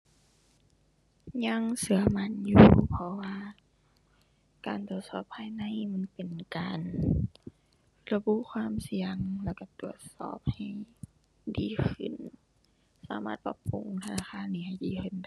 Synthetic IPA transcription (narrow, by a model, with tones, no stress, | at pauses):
ɲa˧˥ŋsɯ˧ɐma˧˥˨njuː˧pʰɔ˧waː˧ | kaː˨˩nt̪u˨˩ət̪̚sɔː˧˩pʰːaː˧jna˧˥˨jma˧˥˨npe˨nkaː˨n | la˧bu˧˨ʔkʰwaː˧˥˨msi˧əŋlɛː˧˩wka˧˩t̪u˨˩ət̪̚sɔ̰ː˧˩p̚ha˨˩j | diː˨˦kʰɯ̰˧˩n | sa̰ː˧˦maː˧˩t̪̚pa̰˧pːu˨˧ŋt̪ʰa˧naː˧xʰaː˧˥˨nːiː˧ha˨˩jdiː˨˦kʰɯ˧˩˨nda˧˨